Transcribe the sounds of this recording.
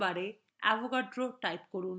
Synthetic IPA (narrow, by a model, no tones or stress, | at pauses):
baɾe | ɛ̰bokaɖɾoʈajpkoɾun